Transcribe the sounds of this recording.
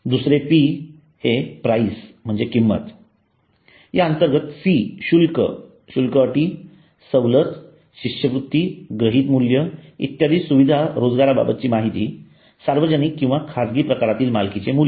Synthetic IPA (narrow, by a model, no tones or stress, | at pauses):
d̪usɾepi | hepɾaism̤əɳd͡zekimːə̰t̪ | jaənt̪əɾɡət̪siɕulkə̰ | ɕulkəəʈiː | səwlət̪ | ɕiɕjəʋɾut̪ːiɡɾəɦiːt̪muljəḭt̪ːjad̪iːsuʋid̪ʱaɾod͡zɡaɾaba̰bət̪t͡ɕiːmaɦit̪iː | saɾʋəd͡ʑənikːĩw̃ʋakʰad͡zɡiːpɾəkaɾat̪iːlmalkit͡semuljə